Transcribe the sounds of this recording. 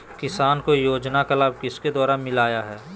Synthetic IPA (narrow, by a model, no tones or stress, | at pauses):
kɪsaːnkojoːd͡ʒnakɐlaːbkɪsked̪ɔːɾaːmɪlaːjaɦɛː